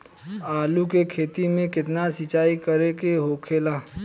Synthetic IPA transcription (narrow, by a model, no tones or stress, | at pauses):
aːlukekʰeːt̪imẽkɪt̪nasɪt͡ʃaːikɐɾekeɦoːkʰeːlaː